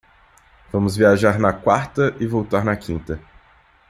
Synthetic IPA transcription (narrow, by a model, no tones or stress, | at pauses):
vɐ̃mʊzviaʒaɾnɐkwaɾt̪ɐʔɪvowt̪aɾnɐkʰĩnt̪ɐ